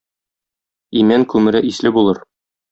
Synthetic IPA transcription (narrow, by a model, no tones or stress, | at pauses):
imæŋkʉmɘ̆ɾɘʔislɘbulˠɤɾ